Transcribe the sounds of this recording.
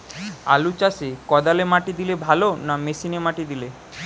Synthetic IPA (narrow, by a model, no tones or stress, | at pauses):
a̰lut͡ɕasekɔd̪alemaʈid̪ilebʱalonamesinemaʈid̪ile